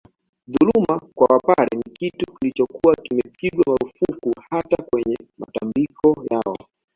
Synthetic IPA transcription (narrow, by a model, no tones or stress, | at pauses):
ðulumakwawapaɾɛnikitukilit͡ʃɔkuwakimɛpiɡwamaɾufukuhatakwɛɲɛma̰tambikʰɔjaɔ̰